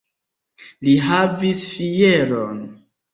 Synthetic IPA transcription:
liɦavisfijeɾon

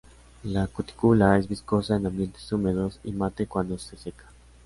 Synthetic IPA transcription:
lakut̪i̥kulaezβisko̞saenãmbje̞nt̪esume̞ð̞o̞sḭmat̪e̞kwand̪ose̞se̞kḁ

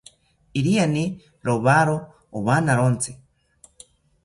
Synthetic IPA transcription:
iɾiani | ɾoβaɾoː | βanaɾont͡sʰi̥

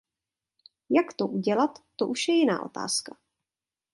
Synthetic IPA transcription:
jakt̪oʔuɟɛlat̪ːoʔuʃjɛjɪna̰ːʔo̞̰t̪a̰ːska

